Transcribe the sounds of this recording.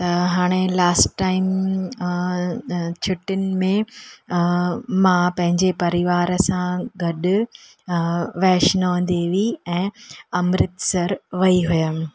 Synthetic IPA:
t̪ɐɦaːɽ̃elaːsʈːaːɪm | t͡ɕʰʊʈɪnɪ̆mẽ | mãpɐ̃ɦɪ̃ɲd͡ʑepɐɾɪʋaːɾəsãɡɐɗʊ | ʋɛːʃnəʋɐ̃nd̪eʋiɛ̃ːɐmɾɪt̪sɐɾʋɐiɦujə

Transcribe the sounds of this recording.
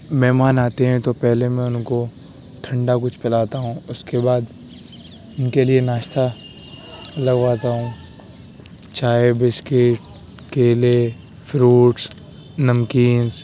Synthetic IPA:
mɛɦmaːnaːt̪eɦɛ̃t̪opɛɦlemɛ̃ʊnko | ʈʰɐ̃ɳɖak̬ʊt͡ʃʰpɛlaːt̪aɦũːʊskebaːd̪ | ʊnkelienaːʃt̪ʰa | lɐɡʋaːt̪aɦũː | t͡ʃaːebɪskɪʈ̚ | keːle | fɾuːʈs | nɐmkiːns

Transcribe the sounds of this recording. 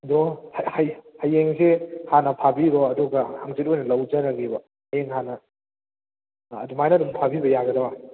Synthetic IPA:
dɔhhjhajeŋsehanɐpʰabiɾoɐduɡɐhaŋzet̬̚ojnɐlɐwd͡ʒɐɾɐɡibɐ | hɐjeŋhanɐ | dumajnɐdumpʰabibɐjaɡɐdɐba

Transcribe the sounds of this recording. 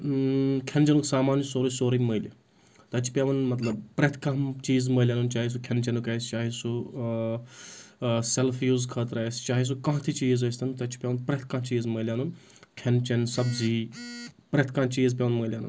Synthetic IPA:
kʰent͡ʃɐnuksaːmaːnsoːɾisoːɾiməːili | t̪ɐt͡ʃʰi̥pʲaʋɐnmɐt̪lɐbpɾet̪ʰkãmt͡ʃiːzməːlʲjaːnunt͡ʃaːɦis̬ukʰɐnt͡ʃɐnukɐːst͡ʃaːɦisu | selfʰjuːzkʰɐt̪ɾɐːst͡ʃaːɦis̬ukãːɦt̪ʰit͡ʃiːzɐsʲt̪ʰɐnt̪ɐt͡ʃʰi̥pʲaʋɐnpɾet̪ʰkãːt͡ʃiːzməːlʲjaːnun | kʰɐnt͡ʃɐnsɐbziː | pɾet̪ʰkãːt͡ʃiːzpʲjaːʋnməːlʲjaːnṵ

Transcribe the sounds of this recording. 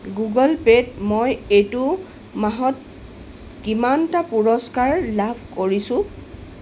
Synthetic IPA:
ɡuɡɔlpedmojetʊ | maɦɔt̚ | kimantapuɹɔskaɹlabʱkoɹisʊ̃

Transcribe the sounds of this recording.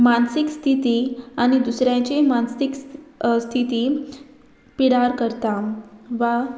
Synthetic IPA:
mansikst̪ʰit̪iaɽ̃id̪usɾjãt͡ɕimansikst̪ʰit̪iː | piɽaɾkəɾt̪aʋa

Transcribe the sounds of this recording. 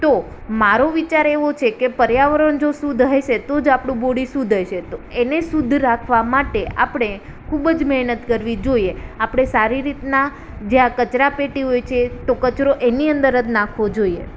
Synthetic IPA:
t̪o | maɾoʋit͡ʃaɾeʋot͡ʃʰekepəɾjaʋəɾəɳd͡ʒosud̪ʱɦəjʃet̪od͡ʒapɽ̃ũboɽisũd̪ʱəjʃet̪oenesud̪ʱɾakʰʋamaʈeʔa̰pəɽ̃e | kʰubəd͡ʒmɛɦnət̪kəɾʋid͡ʒoieapɽ̃esaɾiɾit̪na | d͡ʒeakət͡ʃɾapeʈiɦojt͡ʃʰet̪okət͡ʃɾoʔeniənd̪əɾəd̪nakʰʋod͡ʒoiḛ

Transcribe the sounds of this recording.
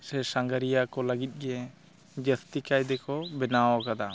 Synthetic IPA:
sɛsaŋɡəɾijakɔləɡit̪̚ˀɡɛ | d͡ʒəst̪ikajd̪ɛkɔbɛnawakad̪a

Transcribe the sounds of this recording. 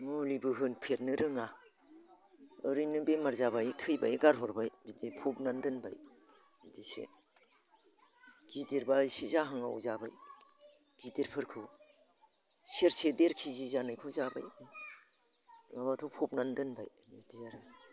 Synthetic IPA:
mulibɯɦɯnpʰet̚nɯɾɯŋa | ɯɾɯjnɯbemaɾzaβajtʰɯjba̰jɡaɾɦɔɾbajbidipʰɔp̚nandɯnba̰j | bidisḛ | ɡ̥ideɾbasizaɦaŋa̰wzabaj | ɡ̥ideɾpʰɯɾkʰɯw | seɾsedeɾkʰizizanɯjkʰɔzaba̰j | abatʰɔpʰɔp̚nandɯnbaj | bidijaɾɯ

